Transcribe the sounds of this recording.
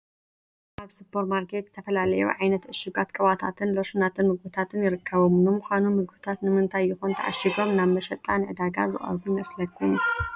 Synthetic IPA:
ʔaβsɨpʰːoɾmaɾkʰe̞t̪zɨt̪ʰɐfɐlalɐjṵʕajnɐt̪ʕɨʃɨɡat̪kʼɨβat̪ʰat̪ʰɨnlo̞ʃunat̪ʰɨnmɨɡbɨt̪ʰat̪ʰɨnjɪɾɨkːɐβomnɨmuxʷanumɨɡbɨt̪ʰat̪nɨmɨnt̪ʰajːɪxont̪ʰɐʕa̰ʃiɡo̞mnaβmɐʃɐt̪ʼːanʕɨd̪aɡa̰zɨ̰χʼɐ̰ɾbumɐslɐkʰːun

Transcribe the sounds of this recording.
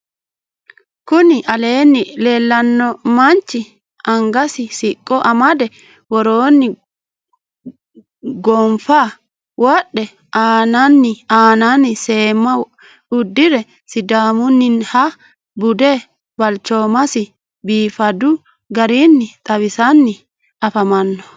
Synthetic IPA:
kʊnɪʔɐle̞ːnːɪleːlːɐnːɔmɐnt͡ʃːɪ | ɐŋɡɐsɪsɪkʼːɔʔɐmɐd̪ɛ | wɔɾoːnːɪ | ɡɔmfa | wɔɗɛ | ʔaːnɐnːɪaːnɐnɪse̞ːmːɐ | ʊd̪ːɪɾɛ | sɪd̪aːmʊnːɪnhɐ | bʊd̪ɛ | bɐlt͡ʃːoːmɐsɪ | biːfɐd̪ʊ | ɡɐɾinːɪt̪ʼɐwɪsɐnːɪ | ɐfɐmɐnːɔ

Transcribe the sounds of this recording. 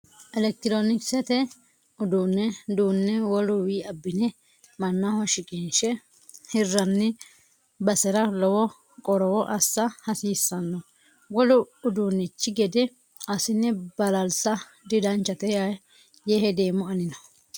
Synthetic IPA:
ʔɛlɛk̚t̪ɪɾonɪksɛt̪ɛ | ʊd̪uːnːɛd̪uːnːɛwɔlʊwiːɐbːɪnɛ | mɐnːahɔʃɪkʼinʃɛ | hɪrːɐnːɪ | bɐsɛɾɐlɔwɔ | kʼɔɾɔwɔʔɐsːɐhɐsiːsːɐnːɔ | ɡɔlʊʊd̪uːnːɪt͡ʃːɪɡɛd̪ɪ | ɐsɪnːɛbɐlɐlsɐ | d̪ɪd̪ɐnt͡ʃːɐt̪ɛja | jehɛd̪eːmːʊɐnɪnɔ

